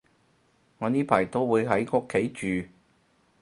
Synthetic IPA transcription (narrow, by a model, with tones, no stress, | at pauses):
ŋɔː˨˧niː˥pʰaː˨˩jt̪o˥wwuː˨˧jɦɐ˨˥jkʊ˥kʰːe˨˥jt͡ʃyː˨